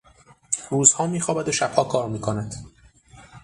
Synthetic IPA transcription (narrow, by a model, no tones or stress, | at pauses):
ruːzhɒːmiːxɒːbæd̪oʃæb̥hɒːkʰɒːɾmiːkʰonæd̪̥